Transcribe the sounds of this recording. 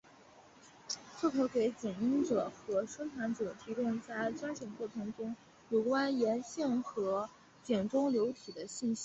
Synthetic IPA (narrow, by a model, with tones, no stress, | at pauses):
t͡sʰɤ˥˩t̪ʰo˧˥ʊke˧˥ɪt͡ɕjɛ˨˩ni˥nʈ͡ʂɤ˨˩xɤ˧˥ʂɤ˥ŋt̪ʰa˧˥nʈ͡ʂɤ˨˩t̪ʰi˧˥k̪ʊ˥˧ŋt͡sa˥˩ɪʈ͡ʂwa˥nɕjɛ˨˩nkwɔ˥˩t̪ʰɤ˧˥ŋʈ͡ʂʊ˥ŋ | jo˨˩ʊkwa˥njɛ˧˥nɕɛ˥˩nxɤ˧˥ | t͡ɕjɛ˨˩nʈ͡ʂʊ˥ŋljo˧˥ʊt̪ʰi˨˩d̪ə˦ɕi˥˩nɕi˥˩